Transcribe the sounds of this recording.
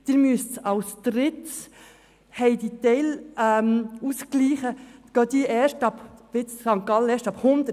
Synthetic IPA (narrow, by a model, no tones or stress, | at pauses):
d̪̥ɪɾmystɑʊst̪ɾɪt | hɛɪd̪it̪ɛlɛmuskliːχəɡ̥ɑːd̪iəʔɛːʃtɑbvɪt͡ssɑŋkɑləɛːʃtɑphʊnd̪ə